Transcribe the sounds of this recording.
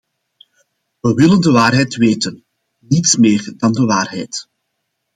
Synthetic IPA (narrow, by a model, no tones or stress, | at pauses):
ʋəʋɪləndəʋaːrɦɛjtʋeːtən | nitsmeːrdɑndəʋaːrɦɛ̰jt